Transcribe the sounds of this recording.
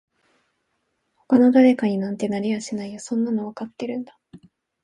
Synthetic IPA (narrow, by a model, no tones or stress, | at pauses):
ho̞kano̞d̪aɾe̞kaɲ̟inãnt̪e̞naɾʲiβaɕinaijasõ̞nːano̞βakat̪ːe̞ɾɯ̟̃nd̪ḁ